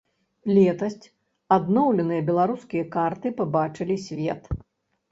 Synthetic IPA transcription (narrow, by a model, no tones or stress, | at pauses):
lʲɛt̪ɐsʲt͡sʲ | ad̪nɔwlʲɛnɨjɐbʲɛlˠaɾuskʲijɐkart̪ɨpabat͡ʂɨlʲisʲvʲɛt̪